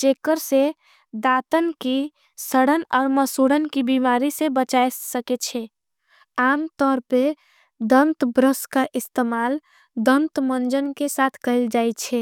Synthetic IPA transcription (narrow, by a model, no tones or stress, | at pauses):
t͡ʃekəɾse | d̪aːt̪ənki | səɽənɔːɾməsuɽənkibimaɾisebət͡ʃajsəket͡ʃʰɛ | aːmt̪ɔːɾpe | d̪ə̃nt̪bɾəskaʔɪst̪emaːl | d̪ə̃nt̪mənd͡ʒənkesat̪ʰkəɦɪld͡ʒajt͡ʃʰɛ